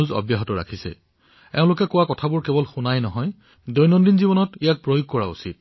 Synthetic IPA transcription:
uzɔ̰bjaɦɔtɔɹa̰kʰisɛ̰ | ɛʊ̃lʊkɛkʊwakɔtʰabʊɹkɛbɔlxunajnɔɦɔj | dojnɔndinzibɔnɔtijak̚pɹojoɡ̚kɔɹa̰ṵsit̚

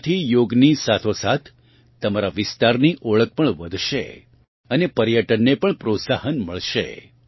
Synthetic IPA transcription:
t̪ʰijoɡnisat̪ʰosat̪ʰː | əmaɾaʋɪst̪aɾniʔoɭək̚pəɳʋəd̪ʱʃḛ | ənepəɾjəʈənːepəɳpɾot̪sahənməɭʃḛ

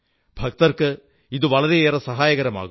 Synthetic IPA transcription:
b̥ʱɐk̚t̪ɐrkɨ | iðɯʋɐɭɐɾeeːrɐsɐɦaːjɐɣɐɾɐma̰ːɣum

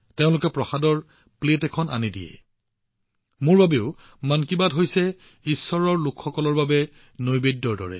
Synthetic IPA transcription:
teʊ̃lʊkɛpɹɔxadɔɹ | pletɛkʰɔna̰nidḭjɛ̰ | mʊɹbabeʊ | mankibadɦojsɛ | isːɔɹɔɹlʊkʰxɔkɔlɔɹbabɛ | nojbedːɔɹdɔ̰ɹɛ̰

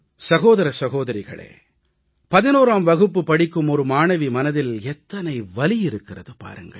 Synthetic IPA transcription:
sɐɣoːðɐɾɐsɐɣoːðɐɾɪɣɐ̰ɭḛː | pɐðɪnoːɾaːmʋɐɣɯpːɯpɐɽɪkːɯmɔɾɯmaːnɐʋimɐnɐðɪlɛt̪ːɐnɐɪʋɐlɪjɪɾɯkːɪrɐ̰ðɯpa̰ːɾɯŋɡɐ̰ɭ

